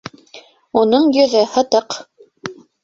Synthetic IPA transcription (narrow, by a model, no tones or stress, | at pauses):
unɤɴjɵ̆ðɘhɤ̆t̪ɤq